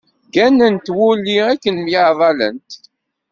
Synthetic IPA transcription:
ɡænːənt̪wulːiækːənmjəʕðˤɑlə̰nt̪

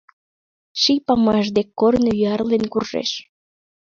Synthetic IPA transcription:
ʃijpɑmɑʃ̬d̪ekːornojyɑrlenkurʒḛʃ

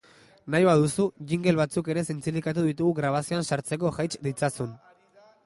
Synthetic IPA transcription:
najβaðusuɣiŋɡe̞lβat͡suke̞ɾe̞sent͡silikat̪̬uðit̪uɣuɣɾaβ̞asioansaɾt͡se̞k̬o̞ʝajt͡ʃd̪it͡sasun

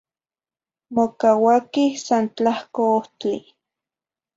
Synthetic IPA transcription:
mokawakihsant͡ɬahkooht͡ɬi

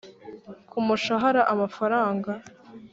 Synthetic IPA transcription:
kʰumuʃaɦaɾaʔamafaɾaːŋɡa

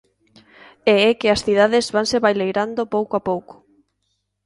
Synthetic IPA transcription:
eɛkɪɐsθiðaðɪzβaŋseβajlejɾand̪opowkoapowkʊ̥

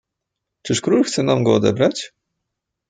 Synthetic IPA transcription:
t͡ʂɘʂkɾulxt̪sɛnamɡɔɔd̪ɛ̰bɾat͡ɕ

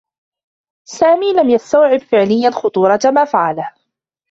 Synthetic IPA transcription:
saːmiːlamjast̪awʕɪbfɪʕlɪjːalxʊt̪ˤuːɾˤɑt̪amaːfaʕalah

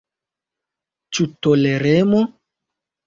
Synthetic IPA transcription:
t͡ʃutoleɾemo

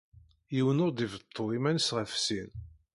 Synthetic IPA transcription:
jiwənʊɾd̪ivət̪ˤʰːoimænəsʁəfsin

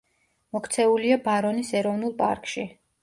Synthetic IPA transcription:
mɔkʰt̪sʰɛuliabaɾɔnisɛɾɔvn̪ulˠpʼa̰ɾkʼʃi

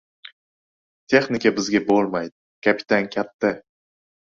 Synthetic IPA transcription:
t̪ʰe̞χnɪkʲabɪzɡʲabolˠmajd̪ɪkʲʰapʰɪ̥t̪ʰankʲʰat̪ːa

